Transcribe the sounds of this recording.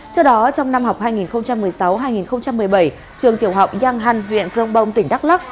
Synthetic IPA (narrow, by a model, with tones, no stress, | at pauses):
sɔ˧ɗɔ˨˦t͡ɕɔ˧wŋ͡mna˧mha˨˩wk͡p̚haː˧jŋi˨˩nxə˧wŋ͡mt͡ɕa˧mːɨ˨˩əjsa˨˦wɦaː˧jŋi˨˩nxə˧wŋ͡mt͡ɕa˧mːɨ˨˩əjɓə˧˩j | t͡ɕɨ˨˩əŋt̪i˧˩əwɦa˨˩wk͡p̚zaː˧ŋɦa˧ŋvwḭ˧˨ənkzə˧wŋ͡mɓə˧wŋ͡mt̪ï˧˩ŋ̟ɗa˦˥k̚la˦˥k̚